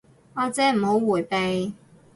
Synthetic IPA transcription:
ɔː˨˧t͡sɛː˨˥m̩˨˩ho˨˥wwuː˨˩jpe˨˧j

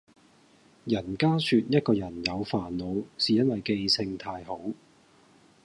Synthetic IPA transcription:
jɐ˨˩nkaː˥syː˧t̚jɐ˥t̚kɔː˧jɐ˨˩njɐ˨˧wfaː˨˩nlo˨˧wsiː˨˩jɐ˥nwɐ˨jke˧jsɪ˧ŋt̪ʰaː˧jɦo˨˥w

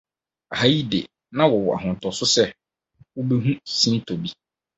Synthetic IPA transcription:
a˨ha˦ji˦dḛ˨ | nã˦wɔ˨wɔ˨ʔa̰˨ɦʊ̃˨n˨tʰɔ˨sʊ˦sɛ˦ | wo˦be˦ɦũ˦sĩ˦n˦tʰo˨bi˦

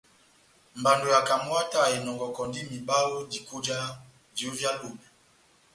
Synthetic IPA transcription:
mba˨ndo˨ja˨ka˨mwa˦ta˨ɛ˨nɔ˨ŋɡɔ˨kɔ˨ndi˦mi˨ba˦lo˦di˨ku˦d͡ʒa˦ | di˨o˦vja˦lu˨mɛ˨

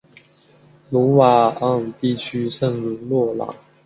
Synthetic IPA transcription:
lu˧˥wa˨˩ɑ˥˩ŋt̪i˥˩t͡ɕʰy˥ʂə˥˧ŋ˧˥lwɔ˥˩lɑ̰˨˩˦ŋ

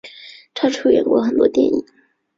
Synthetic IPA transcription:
ʈ͡ʂʰɑ˥˧ʈ͡ʂʰu˥˩ɥɛ̰˧˥nkwɔ˧˥xə˨˩nt̪wɔ̰˥t̪jɛ̰˥˩nḭ˨˩˦ŋ

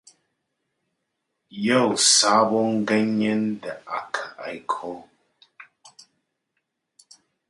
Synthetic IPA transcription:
jə˦˨wsa˨˦bɔ˦ŋ̩˦ɡɛ˦ɲɛ˦n˦də˨ʔa˨kʰə˨ʔa̰˨jkʰɔ˦

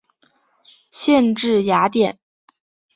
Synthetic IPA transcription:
ɕjɛ˥˧nʈ͡ʂɻ̩˥˩ja˧˥t̪jɛ˨˩˦n

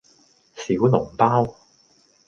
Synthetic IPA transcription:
si˨˥wnʊ˨˩ŋpaː˥w

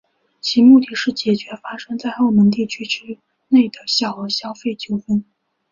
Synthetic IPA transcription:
t͡ɕʰi˧˥mu˥˩t̪i˥˩ʂɻ̩˥˩t͡ɕjɛ˨˩t͡ɕɥɛ˧˥fa˥ʂɤ˥ŋt͡sa˥˧ɪxo˥˩ʊmə˧˥ŋt̪̬i˥˩t͡ɕʰy˥ʈ͡ʂʰɻ̩˥ | ne˥˩ɪd̪ə˩ɕjɑ˨˩ʊxɤ˧˥ɕjɑ˥ʊfe˥˩ɪt͡ɕjo˥˩ʊfə˥n

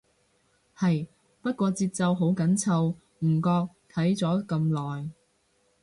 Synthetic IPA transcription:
hɐ˨j | pɐ˥t̚kʷɔː˧t͡siː˧p̚t͡sɐ˨˧wɦo˨˥wkɐ˨˥nt͡sʰɐ˨˧w | m̩˨˩kɔː˧k̚ | t̪ʰɐ˨˥jt͡sɔː˨˥kɐ˧mlɔː˨j

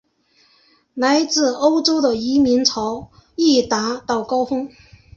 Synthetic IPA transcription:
la˧˥ɪt͡sɹ̩˥˩o˥ʊʈ͡ʂo˥ʊd̪ə˨i˧˥mi˧˥ŋt͡sʰɑ˧˥ʊ | i˥˩t̪a˧˥t̪ɑ˥˩ʊkɑ˥ʊfʊ˥ŋ

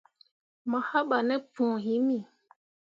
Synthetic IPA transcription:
ma˨ha˦ɓa˨nɛ˦pũː˨hi˨˦mi˨

